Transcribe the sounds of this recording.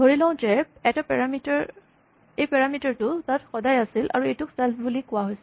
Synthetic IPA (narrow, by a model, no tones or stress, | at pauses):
ɡʱoɹilɔ̃ʊ̃tɛpɛtapɛɹamitaɹ | ejpɛɹamitaɹtʊtatxɔdajasilʔa̰ɹuejtʊksɛlpʰbulikʊwaɦojsɛ